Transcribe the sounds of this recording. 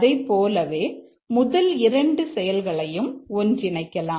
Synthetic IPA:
ðɐɪpːoːlɐʋeː | mʊðɐlɪɾɐɳɖɯsɛjɐlɣɐɭɐjɯmɔndrɪnɐɪkːɐlaː

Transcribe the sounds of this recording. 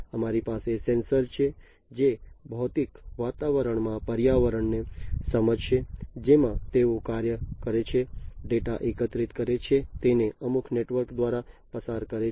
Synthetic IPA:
əmaɾipasesensəɾt͡ʃʰe | d͡ʒebʱɔt̪ikʋat̪aʋəɾəɳmãpəɾjaʋəɾəɳnesəməd͡ʒʃed͡ʒemãt̪eõkaɾjəkəɾet͡ʃʰeɖeʈaʔekət̪ɾit̪kəɾet͡ʃʰet̪eneʔəmukʰneʈʋəɾkd̪ʋaɾapəsaɾkəɾe

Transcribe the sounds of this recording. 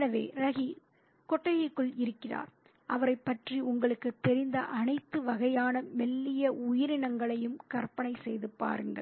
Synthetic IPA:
nɐʋḛːɾɐɣi | kɔʈːɐjɪkːɯɭɪɾɯkːɪra̰ːɾ | ʔɐʋɐɾɐɪpːɐʈriʊŋɡɐɭɯkːɯt̪ːɛɾɪnd̪ɐʔɐnɐɪt̪ːɯʋɐɣɐjaːnɐmɛlːɪjɐʊjɪɾɪɳɐŋɡɐɭɐjɯmkɐɾpɐnɐɪsɛjðɯpa̰ːɾɯŋɡɐ̰ɭ

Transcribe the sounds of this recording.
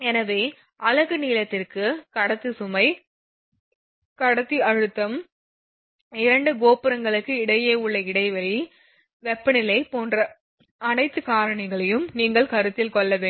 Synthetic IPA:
ɛnɐʋeː | ʔɐlɐɣɯniːlɐt̪ːɪrkɯkɐɽɐt̪ːɯsʊmɐɪ | kɐɽɐt̪ːiɐɻɯt̪ːɐm | ɪɾɐɳɖɯɡoːpɪɾɐŋɡɐɭɯkːɯɪɽɐjeːʊɭːɐɪɽɐɪʋɐɭi | ʋɛpːɐnɪlɐɪpoːndrɐ | ɐnɐɪt̪ːɯkaːɾɐɳɐɪɣɐɭɐjɯmniːŋɡɐɭkɐɾɯt̪ːɪlkɔɭːɐʋeː

